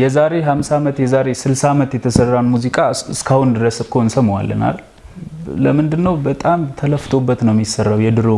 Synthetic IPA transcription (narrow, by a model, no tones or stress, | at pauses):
jɛzaɾe̞ɦamsamət̪jɛzaɾe̞sɨlsamət̪jɛt̪ʰəsərːanmuzikʼaɨ̰skʰahund̪ɨɾəsɨkʰonsəmwa̰lːə̰na̰l | ləmɨnd̪ɨnːəwbət̪ʼamt̪ʰələft̪ʰo̞bːət̪nəwɪmjisːərːawjɛd̪ɨɾo